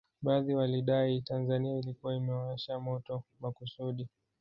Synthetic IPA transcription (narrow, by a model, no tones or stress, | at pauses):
ɓaːðiwaliɗaitanzaniailikuwaimɛwaaʃamɔtɔmakusuɗi